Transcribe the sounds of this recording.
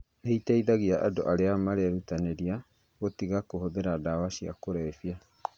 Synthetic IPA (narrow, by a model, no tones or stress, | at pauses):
eitɛiðaɣiaʔado̰ʔaɾeamaɾeaɾutaneɾia | ɣotiɣakohoðeɾadawaʃia̰koɾɛfia